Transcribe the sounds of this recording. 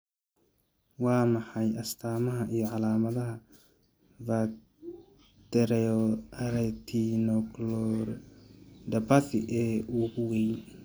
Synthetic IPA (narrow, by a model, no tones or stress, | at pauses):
wɑːmɑħɑjɐst̪ʰaːmɐɦɐʔijɞʕɑlaːmɐðɐɦɐ | va | t̪ɛɾɛɔɐɾɛt̪ʰinɔklɔr | d̪ɐbɐθɪ̰ʔɛːuːɡʊwɛj